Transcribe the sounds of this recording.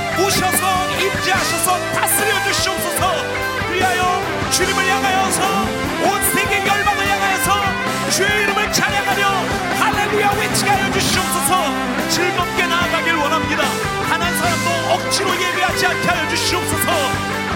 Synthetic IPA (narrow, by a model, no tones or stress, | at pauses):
oɕʰʌsʰʌ | imd͡ʑiɦaɕʰʌsʰʌtas͈ʰɯɾjʌd͡ʑuɕʰioks͈ʰʌsʰʌ | kɯɾiɦajʌ | t͡ɕuɲimɯɭjaɡɦajʌsʰʌ | onsʰeŋɡeŋjʌɭbaŋɯɭjaɡajʌsʰʌ | t͡ɕueiɾɯmɯɭt͡ɕaɲaɡɦamjʌ | halːe̞lujawet͡ɕʰiɡɦajʌd͡ʑuɕʰiop̚s͈ʰʌsʰʌ | t͡ɕiɭbʌp̚k͈e̞naːɡaɡiɾɯɭwʌnɦamɲida | hanɦansʰaɾamsʌʌk̚t͡ɕʰiɾoje̞biɦad͡ʑiankʰeɦajʌd͡ʑuɕʰiop̚s͈ʰʌsʰʌ